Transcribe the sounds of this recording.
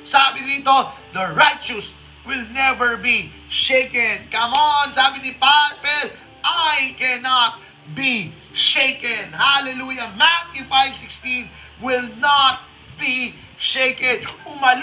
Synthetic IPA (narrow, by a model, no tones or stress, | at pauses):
sabɪd̪iːt̪od̪ɐɹajt͡ʃʊs | wɪlnɛvɛɹbi | ʃejkɛ̃nkɐmonsaːbɪnipapɛl | ʔajkɛnat̪̚ | bi | ʃejkɛnhalɛlujɐmat̪̚ɪnfajvsɪkst̪ĩn | wɪlnat̪̚ | bi | ʃejkɛ̃nʊmɐl